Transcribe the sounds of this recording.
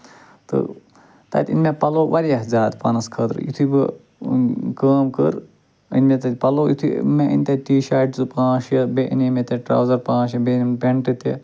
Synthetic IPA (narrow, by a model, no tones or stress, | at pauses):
t̪ɨ̰ | t̪ɐ̰t̪ʲḭnmepɐloːʋɐɾjɐɦzaːd̪pɐnɐskʰɐt̪ɾḭt̪ʰubɨ | kəːmkə̰ɾ | ḭnʲmet̪ɐt̪ʲpɐloːjit̪ʰumeʔḭnʲt̪ɐʈiːʃaːʈzɨpãːʃjɐbeʔinimet̪eʈɾɐ̰ːwzɐɾpãːʃ̬jɐbenmpeɳʈɨt̪i